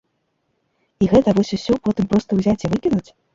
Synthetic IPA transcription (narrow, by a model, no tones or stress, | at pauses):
iɣɛt̪ɐvɔsʲusʲɔpɔt̪ɨmpɾɔst̪ɐwzʲat͡sʲivɨkʲinut͡sʲ